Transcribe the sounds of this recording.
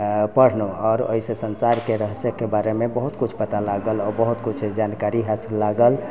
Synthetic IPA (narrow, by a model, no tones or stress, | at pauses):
pəɽ̤noɔːɾo̰isesənsaɾkeɾəɦsəkːebaɾemebəɦut̪kut͡ʃʰpət̪alaɡəlɔːɾbəɦut̪kut͡ʃʰd͡ʒankaɾiɦasilːaɡəl